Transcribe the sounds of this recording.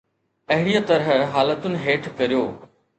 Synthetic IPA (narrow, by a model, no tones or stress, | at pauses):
ɐɦɪɽijat̪ɐɾɦəɦaːlət̪ʊnɪ̆ɦeːʈʰkɐɾijoː